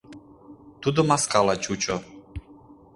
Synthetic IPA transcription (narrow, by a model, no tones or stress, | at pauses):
t̪ud̪ɔmaskalˠat͡ʃʼut͡ʃʼɔ